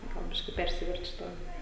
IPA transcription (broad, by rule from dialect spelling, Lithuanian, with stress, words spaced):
ˈɡɐlˠ ˈbʲɪʃʲkʲɪ ˈpʲɛrʲsʲɪʋʲɛrʲt͡ʃʲʊ ˈtɑː